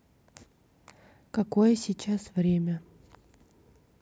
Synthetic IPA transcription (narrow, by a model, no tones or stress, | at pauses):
kɐkojəsʲit͡ɕasvɾʲemʲə